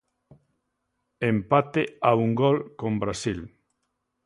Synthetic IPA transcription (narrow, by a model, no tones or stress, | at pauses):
empat̪eauŋɡolkõmbɾasil